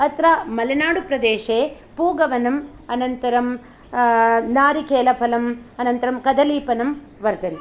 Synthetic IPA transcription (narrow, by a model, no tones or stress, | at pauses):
ɐt̪ɾaːmɐlɐnaːɽupɾɐd̪eːʂeː | puːɡɐʋɐnɐm | ɐnɐnt̪ɐɾɐm | naːɾikeːlɐpʰɐlɐmɐnɐnt̪ɐɾɐmkɐd̪ɐliːpɐnɐm | ʋɐɾd̪ɐnt̪